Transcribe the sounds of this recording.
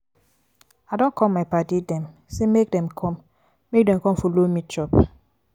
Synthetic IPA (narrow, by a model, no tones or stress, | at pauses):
adõnkʰɔmaɪpatidɛ̃m | semek̚dɛmkʰɔm | mek̚dɛ̃mkɔ̃mfolomitʰɔp